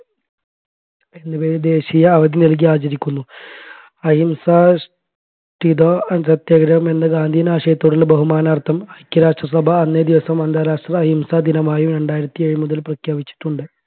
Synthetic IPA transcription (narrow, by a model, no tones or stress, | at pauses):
enːɐbeːɾd̪e̞ːɕijɐːʋɐd̪inɐlk̬iaːt͡ɕɐɾikʲːunːu | ɐɦimsaːʂ | ʈid̪oːtɐt̪jɐɡɾɐʋɐmenːɐɡaːnd̪ʱiːnaːʂɐjɐt̪ːoːɽilbɐɦumaːnaːrt̪ʰɐmɐjkʲjɐɾaːʂʈrɐsɐbʱɐːnːed̪iʋɐsɐmɐnd̪ʱaːɾaːʂʈrɐɐɦimsad̪inɐmaːjumɾeɳɖaːjiɾɐt̪ːie̞ɻumuðɐlprɐkʰjaːbit͡ɕːi̥ʈːuɳɖɨ